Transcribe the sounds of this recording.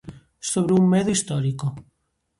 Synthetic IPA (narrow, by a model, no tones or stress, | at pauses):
soβɾummeðoist̪ɔɾiko